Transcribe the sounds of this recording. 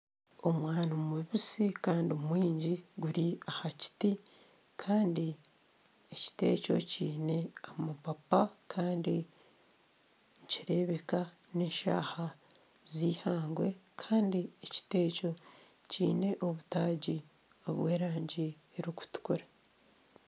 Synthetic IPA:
o̞mwaːnomuβisikaːndioumwiːɲɟiɡuɾiahaci̥ti | kʰaːndi | eci̥te̞̰ːco̞̰ciːne̞amapapakʰaːndi | ɲciɾe̞ːβe̞ka | neːʃa̰ːha | ziːhaːŋɡwe̞kʰaːndieci̥te̞ːco̞ | ciːne̞ʔo̞βutaːɟi | o̰βweːɾaːɲɟi | eɾiku̥tu̥kuɾa

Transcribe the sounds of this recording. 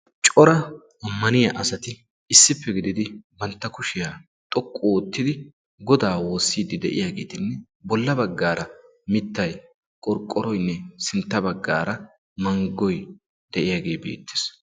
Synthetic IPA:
t͡ʃʼɔɾɐ | ɐmːɐnɪjɐʔɐsɐt̪ɪ | ɪsːɪpːɛɡɪd̪ɪd̪ɪbɐnt̪ːɐkʊʃɪjaː | t̪ʼɔkʼːoɔt̪ːɪd̪ɪ | ɡɔd̪aːwo̞ːsːiːd̪ɪd̪ɛʔɪ̰jaːɡe̞ːt̪ɪnːɛ | bɔlːɐbɐɡːaːɾʔɐ | mɪt̪ːɐj | kʼɔɾkʼːɔɾɔjnːɛsɪnt̪ːɐbɐɡːa̰ːɾɐ | mɐŋɡːɔj | d̪̥ɛʔɪjaːɡe̞ːbḛːt̪ːɪ̥s

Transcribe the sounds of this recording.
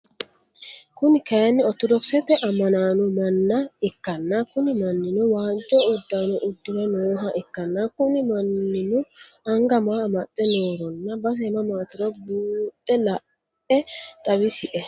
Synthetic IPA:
kʊnɪkɐjɐnːɪɔt̪ɔd̪ɔksɛt̪ɛʔɐmːɐnaːnʊmɐnːɐɛkːɐnːɐkʊnɪmɐnːɪnʊwaːd͡ʒʼɔːd̪ːaːnɔʔʊd̪ːɪmɐnoːɦɐʔɛkːɐnːɐkʊnɪmɐnːɪnʊ | ɐŋɡɐmaːmɐt̪ʼːɛnoːɾɔnːɐbɐs̬ɛːmɐmaːt̪ɪɾɔbuːt̪ʼːɛlɐ | ɛt̪ʼɐwɪsɪʔɛ

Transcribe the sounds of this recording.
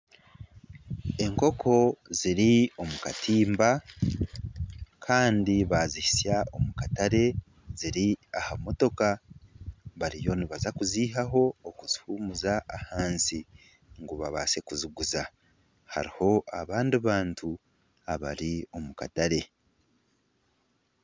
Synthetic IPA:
e̞ŋko̞kʰo̞ziɾio̞mukatʰiːmba | kʰaːndiβazihisjao̞mukataɾe̞ | ziɾiahamo̞to̞ka | βaɾijo̞niβazakuziːɦaɦo̞ːkuzi̥huːmuzaːhaːnsi | ŋɡuβaβaːse̞kuziɡuza | ha̰ɾiho̞ʔaβaːndiβaːntʰu | aβa̰ɾio̞muka̰taɾe̞

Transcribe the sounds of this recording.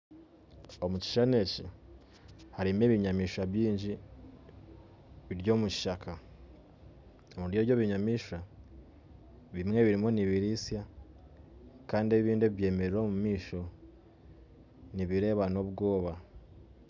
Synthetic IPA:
o̞muci̥ʃane̞ci | haɾime̞βiɲamiːʃaβjiːɲɟi | βiɾjo̞ːmuci̥ʃakʰa | omuɾjoɾɟo̞βiɲamiːʃa | βimŋe̞βiɾimo̞niβiɾisja | kaːndie̞βiːndeiβje̞ːme̞ɾeɾo̞ːmumiːʃo̞ | niβiɾe̞ːβano̞βɡo̞ːβa

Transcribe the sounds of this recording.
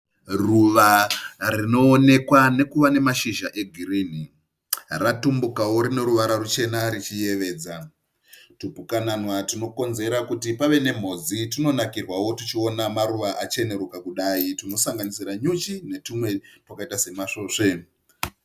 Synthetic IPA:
ruʋarino̞ːne̞kwane̞kuʋane̞maʃiʒaʔe̞ɡʱiɾiːn̤i | ratumbukawo̞ɾine̞ɾuʋaɾarut͡ʃe̞naɾit͡ʃije̞ʋe̞ːd͡za | tupukananwatino̞ko̞nze̞ɾakutipaʋe̞ne̞m̤o̞ːd͡zitino̞nakirwawo̞tit͡ʃio̞namaɾuʋaʔat͡ʃe̞ne̞ɾukakuɗaːitino̞saŋɡanisiraɲut͡ʃine̞tumwe̞twakaitase̞maʂoːʂe̞

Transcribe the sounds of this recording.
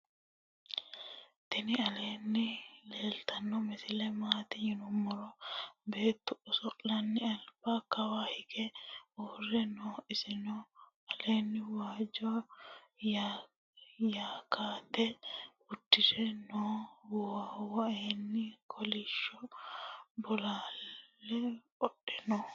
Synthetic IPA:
t̪ɪnɪɐle̞ːnːɪle̞ːlt̪ɐnːɔmɛsɪlɛmaːt̪ɪjɪnʊmːɔɾɔbe̞ːt̪ːʊɔsɔlɐnːɪɐlb̥akɐwaːhɪɡɛoːrːɛnoːɪsɪnɔ | ɐleːnːɪwaːd͡ʒɔ | ja | jaːkaːt̪ːɛ | ʊd̪̥ːɪdɛnowɔawɔeːnːɪkʰɔlɪʃːɔ | bɔlaːlːɛ | ɔɗɛnɔ

